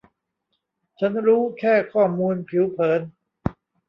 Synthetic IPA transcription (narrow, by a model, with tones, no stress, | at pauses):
t͡ɕʰa˦˥nɾuː˦˥kʰɛː˥˩kʰɔː˥˩muː˧npʰi˩˦wpʰɤː˩˦n